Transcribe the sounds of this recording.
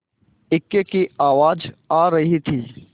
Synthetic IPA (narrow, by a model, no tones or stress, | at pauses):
ɪkekiaːʋaːd͡ʒaːɾɐɦit̪ʰiː